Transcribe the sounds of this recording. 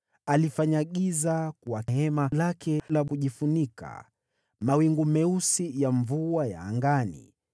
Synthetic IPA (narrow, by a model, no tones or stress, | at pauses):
alifaɲaɠizakuwahɛmalakʰɛlavuʄifunika̰ | mawiŋɡumɛusijaɱvuaja̰ːŋɡanḭ